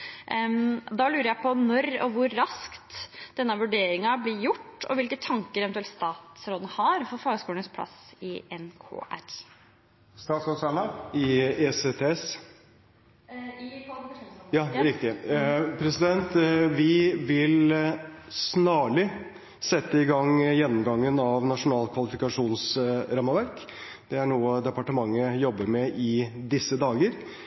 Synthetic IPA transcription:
d̪ɑlʉːɾəɾjæɪpʰɔnɔɾɔʋʊɾːɑskt̪d̪̥ɛnːəʋʉɖeːɾɪŋɑblɪɾjʊʈːɔ̰ʋɪlkət̪ʰɑŋkəɾɛʋɛnʉɛlt̪st̪ɑːt̪sɾoːd̪nəhɑɾfɔɾfɑːɡəskuːləɳəspʰlɑ̰sɪɛnkʰo̰ːʔæ̰ɾ | st̪ɑːt̪sɔsɑnɑɪɛset̪ʰeːɛs | jɑːɾɪkt̪ɪpʰɾɛsɪd̪ɛnt̪ʋɪʋɪl | snɑːɭɪ | sɛt̪ːəɪɡɑŋjɛnːɔmɡɑŋːənɑʋnɑʂʊnɑːlkʰʋɑlɪfɪkɑʂuːnsɾɑmːəʋæɾk | d̪̥ɛæɳuːəd̪ɛpɑʈəmɑŋːəjɔbːəɾmɛʔɪd̪ɪsːəd̪ɑːɡəɾ

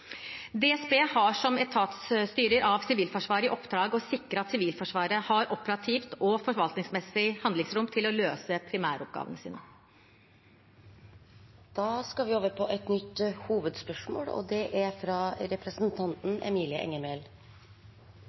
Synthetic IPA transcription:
d̪ɛːɛsbeːhɑʂɔmɛt̪ʰɑːt̪sst̪yːɾəɾʔɑʋsɪʋiːlfɔʂʋɑːɾɪʔɔpd̪ɾɑːɡɔsɪkːɾəɑt̪sɪʋiːlfɔʂʋɑːɾəhɑɾɔpəɾɑt̪ʰiːft̪ɔfɔɾʋɑlt̪nɪŋsmɛsɪhɑnd̪lɪŋsɾʊmt̪ʰɪlɔløːsəpʰɾɪmæ̰ːɾɔp̚ɡɑ̰ːʋə̰nəsḭːnə | d̪̥ɑːskɑʋɪoːʋəɾpʰɔʔɛt̪nʏt̪ːhuːʋəd̪spœʂmo̰ːlɔ̰d̪ɛʔæfɾɑɾɛpɾɛsnt̪ʰɑnt̪n̩ɛ̰miːlɪəʔɛ̰ŋːəmɛl

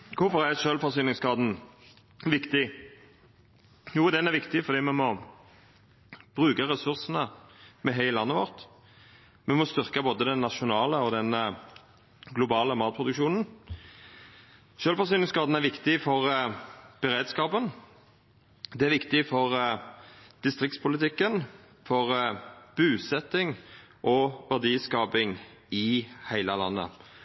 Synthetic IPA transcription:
kʰʊɾfɔʁæɾʃølfɔɾsyːnɪŋskɑːd̪n̩ | ʋɪkt̪ɪ | juːd̪ɛnæɾʋɪkt̪ɪfɔɾd̪iːmɛmɔ | b̥ʁʉːkəʁɛsʉɾsənəmɛɦɛɪəlɑnːəʋɔʁt̪ | mɛmɔst̪ʏʁkɑboːd̪əd̪ɛnːɑʃʊnɑːləɔd̪ɛn | ɡlʊbɑːləmɑːt̪̚pʰʁʊd̪ʉkʃuːnən̩ | ʃøːlfɔʁs̬yːnəskɑːd̪n̩æʁʋɪkt̪ɪfɔʁ | b̥əɾeːd̪skɑːpən | d̪ɛæɾʋɪkt̪ɪfɔʁ | d̪̥ɪst̪ʁɪk̚t̪spʰʊlɪt̪ʰɪkːən | fɔʁb̥ʉːsɛt̪ːɪŋʔɔʋæʁd̪iːskɑːpɪŋ | ɪhæɪləlɑ̰nːə̰

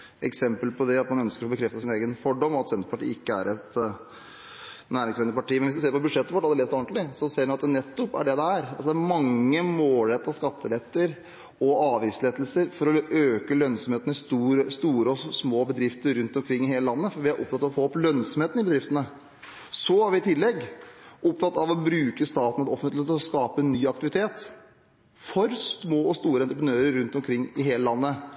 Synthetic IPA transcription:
ʔɛ̰ksɛmpəlpʰɔd̪ɛɑt̪mɑnœnskəɾɔbəkʰɾɛft̪əsɪneːɡənfɔɖɔmɔɑt̪sɛnt̪ɾəpɑʈḭːɪkːəæ̰ɾɛt̪ | næːɾɪŋsɛnəpɑʈiːmɛnʋɪsd̪ʉseːɾpɔbʉʂɛt̪ːəʋɔʈːhɑld̪ɛleːst̪ɔnt̪lɪsɔseːɾnɑt̪nɛt̪ːɔpːæ̰ɖɛd̪ɛæɾɑlsɔd̪ææɾmɑŋːəmoːlɛt̪ːɑskɑt̪ːəlɛt̪ːəɾ | ɔɑːʋɪsleːt̪lsəɾfɔɾɔøːkəlœnsɔmheːt̪ənəst̪uːɾəst̪uːɾəɔsmoːbəd̪ɾɪft̪əɾɾʉnt̪ɔmkʰɾɪŋːɪheːləlɑnːəfɔɾʋɪɑɾʔɔ̰pt̪ʰɑt̪ːɑʋɔfoːɔplœnsɔmheːt̪n̩ɪbəd̪ɾɪft̪ənə | sɔæɾʋɪɪt̪ʰɪlːɛɡʊp̚t̪ʰɑt̪ːɑʋɔbɾʉːkəst̪ɑːt̪n̩ɛt̪ɔfənt̪ːɔskɑːpənːyːɑk̚t̪ɪʋɪt̪ʰeːt̪ | fɔɾsmoːɔst̪uːɾəɛnt̪ɾəpɾənøːɾəɾːʉnt̪ɔmkʰɾɪŋːɪɦeːləlɑnːə

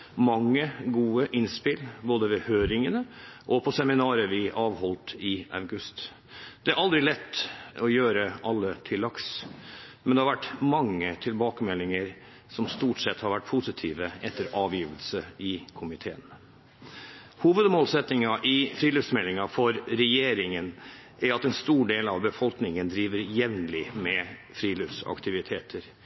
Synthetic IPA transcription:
mɑŋːəɡuːəʔɪnspɪlboːd̪əʋɛhøːɾɪŋənəʔɔpʰɔsɛmɪnɑːɾəʋɪʔɑːʋhɔlt̪ɪɑʉɡʉst̪ | d̪̥ɛæɾɑld̪ɾɪlɛt̪ːɔjøːɾəʔɑlːət̪ʰɪlːɑks | mɛnd̪ɛhɑɾʋæʈːmɑŋːət̪ʰɪlbɑːkəmɛlːɪŋəɾ | sɔmst̪uːʈsɛt̪ːhɑɾʋæʈ̚ːpʰʊsɪt̪ʰiːʋəɛt̪ːəɾɑːʋjiːʋəlsəɪkʰʊmɪt̪ʰeːən | huːʋəd̪moːlsɛt̪nɪŋɑʔɪfɾiːløfsmɛlːɪŋɑfɔɾɾɛjeːɾɪŋənʔæɾɑt̪ɛnst̪uːɖeːlɑʋbəfɔlknɪŋənd̪ɾiːʋəɾjɛʋnlɪmɛfɾiːløfsɑ̰kt̪ɪʋɪt̪ʰeːt̪ʰəɾ

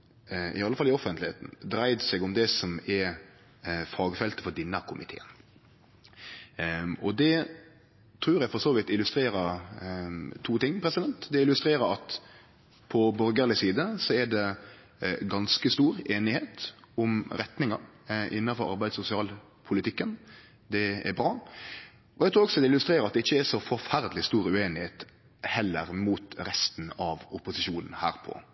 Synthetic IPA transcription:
ɪ̰ɑlːəfɑlːɪɔfənt̪lɪhḛːt̪n̩d̪ɾæɪd̪sɛɡʊmd̪ɛsɔmɛɾ | fɑːɡfɛlt̪ə̥fɔɾd̪ɪnːɑkʰʊmʔɪt̪ʰḛːən | ɔd̪ɛ | t̪ʰɾʉːɾjæfɔɾsoːʋɪt̪ɪlʉst̪ɾeːɾəɾ | t̪ʰuːt̪ɪŋːpʰɾɛsɪd̪ɛnt̪d̪ɛɪlʉst̪ɾeːɾəɾɑt̪ | pʰɔbɔɾɡəlɪsiːd̪əsɔæɖɛ | ɡɑnskəst̪uːɾeːnɪheːt̪ʊmɾɛt̪nɪŋɑɾʔɪnːɑfɔɾɑ̰ɾbæɪd̪sʊsɪɑːl | pʰʊlɪt̪ʰɪkːən | d̪ɛɛ̰ɾbɾɑː | ʔɔjæɡt̪ʰɾʉːɔksɔd̪ɛɪlʉst̪ɾeːɾəɾɑt̪̚d̪ɛɪçːəæsɔfɔɾfæɾd̪lɪst̪uːɾʉeːnɪheːt̪ | hɛlːə̰ɾmuːt̪ɾɛst̪n̩ɑʋʊpʊsɪʃuːnn̩hæ̰ːɾpʰɔ̰

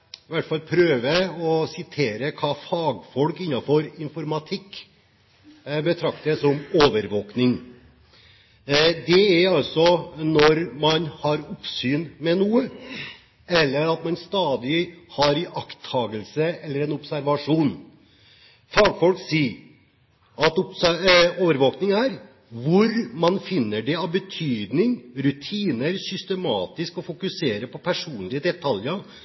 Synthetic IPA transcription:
ɪʋæʈːfɑlpʰɾøːʋəɔsɪt̪ʰeːɾəkʰɑːfɑːɡfɔlkɪnːɑfɔɾɪnfɔɾmɑt̪ʰɪkː | bət̪ʰɾɑkt̪əsɔmoːʋəɾʋoːknɪŋ | d̪ɛæɾɑlsɔnɔɾmɑnhɑɾʊpsyːnmɛnuːə | ɛlːəɾɑt̪mɑnst̪ɑːd̪ɪhɑɾɪʔɑkt̪ʰːɑːɡəlsəɛlːəɾɛnɔbsæɾʋɑʂuːn | fɑːɡfɔlksiː | ɑt̪ʊpoːʋəɾʋoːknɪŋæɾ | ʋʊɾmɑnfɪnːəɖɛɑʋbət̪ʰyːd̪nɪŋɾʉt̪ʰiːnəɾsʏst̪əmɑːt̪ɪskɔfʊkʉseːɾəpʰɔpʰæʂuːnlɪəd̪ɛt̪ʰɑljə

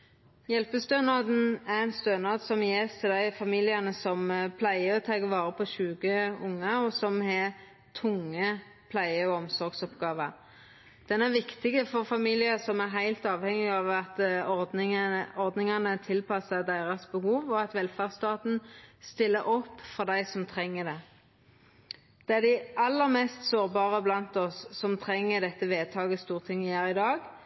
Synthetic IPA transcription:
jɛlpəst̪øːnɑd̪n̩æɛnst̪øːnɑd̪sɔmjest̪ʰɪld̪æɪfɑmiːlɪɑnəsɔmpʰlæɪəɔt̪ʰɑːɡəʋɑːɾəpʰɔɕʉːɡəʊŋːəɔsɔmhɛ | t̪ʰʊŋːə | pʰlæɪəɔɔmsɔɾɡsɔpɡɑːʋəɾ | d̪̥ɛnæʋɪkt̪ɪɡəfɔɾfɑmiːlɪəsɔmæɾɦæɪlt̪ɑːʋhɛŋɪɑʋɑt̪ | ɔɾd̪nɪŋɑnət̪ʰɪlpʰɑsəd̪æɪʁɑsbəhuːʋɔɑt̪ʋɛlfɑʁst̪ɑːt̪n̩st̪ɪlːəɾʔɔpːfɔʁd̪æɪsɔmt̪ʰʁɛŋːəd̪ɛ | d̪̥ɛæʁd̪æɪʔɑlːəʁmɛːst̪soːʁbɑːʁəblɑnt̪ɔsːɔmt̪ʰʁɛŋːəd̪ɛt̪ːəʋeːt̪ʰɑːɡəst̪uːʁt̪ʰɪŋːəjæːɾɪd̪ɑːɡ

